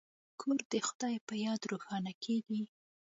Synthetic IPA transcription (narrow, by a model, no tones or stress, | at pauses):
kʰoɾd̪əxʊd̪ɑjpəjɑd̪ɾoxɑnakʰeɡi